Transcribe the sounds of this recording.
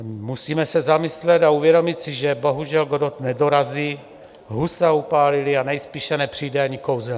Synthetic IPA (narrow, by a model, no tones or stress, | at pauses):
musiːmɛsɛzamɪslɛt̪auvjɛdo̞mɪt̪sɪʒɛbo̞ɦuʒɛlɡodot̪nɛdo̞ɾaziː | ɦusaupaːlɪlɪanɛjspiːʃɛnɛpr̝̥ijdɛaɲɪko̞wzɛ